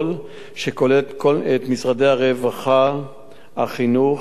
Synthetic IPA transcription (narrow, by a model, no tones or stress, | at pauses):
l | ʃeko̞let̪kolet̪misʁadeaʁevaχa | aχinu